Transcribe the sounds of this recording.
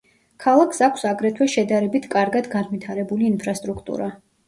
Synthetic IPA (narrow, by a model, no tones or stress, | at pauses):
kʰalˠakʰsakʷʰsaɡɾɛt̪ʰwɛʃɛd̪aɾɛbit̪ʰkʼaɾɡad̪ɡanvit̪ʰaɾɛbuliːnpʰɾast̪ʼɾukʰt̪ʼṵɾa